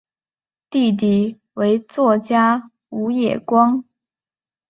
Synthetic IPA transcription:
t̪i˥˩˧t̪̬i˨˩ | we˧˥ɪt͡swɔ˥˩t͡ɕja˥ | u˧˥jɛ̰˨˩kwɑ˥ŋ

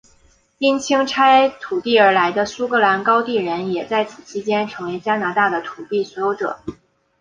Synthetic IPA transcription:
i˥nt͡ɕʰi˥ŋʈ͡ʂʰa˥ɪt̪ʰu˨˩t̪i˥˩ə˞˧˥la˧˥ɪd̪ə˧su˥kɤ˧˥la˧˥nkɑ˥ʊt̪i˥˩ɻə˧˥njɛ˨˩t͡sa˥˩ɪt͡sʰɹ̩˨˩t͡ɕʰi˥t͡ɕjɛ˥nʈ͡ʂʰɤ˧˥ŋwe˧˥ɪt͡ɕja˥na˧˥t̪a˥˩d̪ə˩t̪ʰu˨˩t̪i˥˩swɔ˧˥jo˧˥ʊʈ͡ʂɤ̰˨˩˦

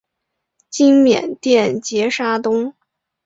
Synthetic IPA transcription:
t͡ɕi˥ŋmjɛ̰˨˩nt̪jɛ˥˩nt͡ɕjɛ˧˥ʂa˥t̪ʊ˥ŋ

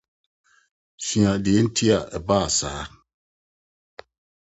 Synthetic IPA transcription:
sĩ˨ã˨di˨e˦n̩˦tʰi˦a˨ɛ˨baː˦˨sa̰ː˨˦

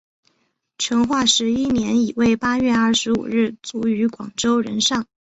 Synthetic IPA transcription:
ʈ͡ʂʰɤ˧˥ŋxwa˥˩ʂɻ̩˧˥i˥njɛ˧˥ni˨˩we˥˩ɪpa˥ɥɛ˥˧ɐ˞˥˩ʂɻ̩˧˥ṵ˨˩ɻɻ̩˥˩t͡su˧˥y˧˥kwɑ̰˨˩ŋʈ͡ʂo˥ʊɻə̰˧˥nʂɑ˥˩ŋ

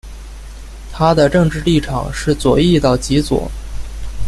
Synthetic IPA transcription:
t̪ʰa˥d̪ə˨ʈ͡ʂɤ˥˧ŋʈ͡ʂɻ̩˥˧li˥˩ʈ͡ʂʰɑ̰˨˩ŋʂɻ̩˥˩t͡swɔ˨˩i˥˧t̪ɑ˥˩ʊt͡ɕi˧˥t͡swɔ̰˨˩˦

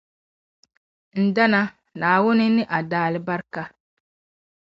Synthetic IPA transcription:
n̩˨da˦na˦ | naː˨wʊ˦nɪ˦nɪ˦ʔa˨daː˦lɪ˦ba˦ɾka˦

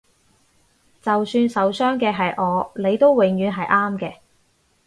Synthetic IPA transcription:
t͡sɐ˨wsyː˧nsɐ˨˧wsœː˥ŋkɛː˧ɦɐ˨jʔɔː˨˧nle˨˧jt̪o˥wwɪ˨ŋjyː˨˧nɦɐ˨jʔaː˥mkɛː˧

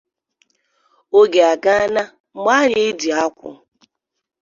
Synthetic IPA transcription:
o˦ɡe˨a˨ɡa˦a˦na˦ | ma˦ɲe˦e˦di˨a˦kʷʊ̰˨

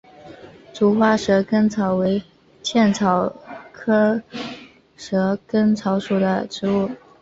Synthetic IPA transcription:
ʈ͡ʂu˧˥xwa˥ʂɤ˧˥kə˥ŋt͡sʰɑ˧˥ʊwe˧˥ɪ | t͡ɕʰjɛ˥˩nt͡sʰɑ˨˥ʊkʰɤ˥ | ʂɤ˧˥kə˥ŋt͡sʰɑ˧˥ʊʂu˨˩d̪ə˦ʈ͡ʂɻ̩˧˥u˥˩

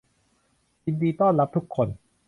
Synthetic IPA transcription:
t͡ɕi˧ndiː˧t̪ɔː˥˩nla˦˥p̚t̪ʰu˦˥kʰːo˧n

